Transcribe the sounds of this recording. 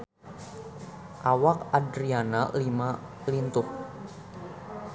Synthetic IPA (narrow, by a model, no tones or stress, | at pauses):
ʔawak̚adɾianalima | lint̪ʊh